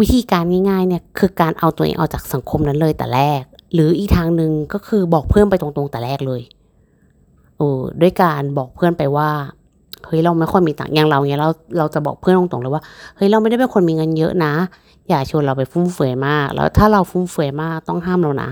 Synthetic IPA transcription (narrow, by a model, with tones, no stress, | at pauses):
wi˦˥t̪ʰiː˧kaː˧nŋaː˧˥˩jŋaː˥˩jni˦˥˩ɐkʰɯː˧kaː˨˧nʔa˧wt̪u˧ʔḛː˧ŋʔa̰˧˩wt͡ɕaː˨˩k̚sa˨˦ŋkʰo˧mna˦˧˥nlɤː˧jt̪ɛ̰ː˨˩lɛː˧˥˩k̚lɯː˨˦ʔiː˨˩k̚t̪ʰaː˧ŋnɯ˧ŋkɔː˥˩kʰɯː˧bɔː˨˩k̚pʰɯɤː˥˩˨npa˧jt̪o˧ŋt̪o˧ŋt̪ɛː˨˩˦lɛː˥˩k̚lɤː˧j | ʔɯː˧˩du˥˩əjkaː˧nbɔː˨˩k̚pʰɯː˥˨npa˧jwaː˧˥˩ | hɤ˦˥˩jɾa˧wma˥˩˨jxɔ˥˩jmiː˧t̪a̰ː˨˩ŋɲa˧ŋɾa˧wŋi˧˥ɾa˧˩wɾa˧wt͡ɕa˨˩bɔ̰ː˨˩k̚pʰɯː˧˥˨nʰo˧˦t̪o˨˦ŋlɤː˧˦jwaː˥˩hɤː˧˦˥jɾa˧wma˥˩da˥˩pe˨nkʰo˧˨nmiː˧ŋɤ˧˨njɤ̰˦˥ʔna˦˥ | jaː˨˩k̚t͡ɕʰi˧˦ɾla˧wpa˨˩jfu˧˥˩mfɯ˨˩˦əjmaː˥˩k̚lɛ̰˧˥t̪ʰaː˥˩ɾa˧wfu˧˥˩mfɯ˨˩˦əjmaː˥˩k̚t̪ɔ˥˩ŋɦaː˥˩˨mɾa˧wna̰˧˥